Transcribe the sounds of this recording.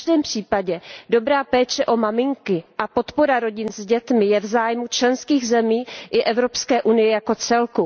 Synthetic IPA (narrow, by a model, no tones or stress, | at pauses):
ʒdɛːmpr̝̥iːpaɟɛdo̞bɾaːpɛːt͡ʃɛʔo̞mamɪŋkɪʔapo̞t̪po̞ɾaɾo̞ɟɪnzɟɛt̪mɪjɛvzaːjmut͡ʃlɛnskiːɣzɛmiːʔɪʔɛvɾo̞pskɛːʔunɪjɛjako̞t͡sɛlku